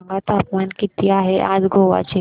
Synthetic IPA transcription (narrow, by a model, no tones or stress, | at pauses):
ŋɡat̪aːpmaːnkɪt̪iaːɦeʔa̰ːd͡ʒɡoːʋa̰t͡ʃe